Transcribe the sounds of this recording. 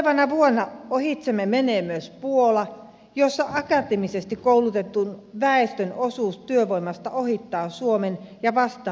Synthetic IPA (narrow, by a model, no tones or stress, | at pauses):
ʋɑnɑʋuonːɑohit̪semːemeneːmøspuolɑ | josːɑʔɑkɑt̪emisest̪ikkoulut̪et̪ːˑunʋæest̪ønosuːst̪yøʋoimːˑɑst̪ɑohit̪ːɑːsuomenjɑʋɑst̪ˑɑː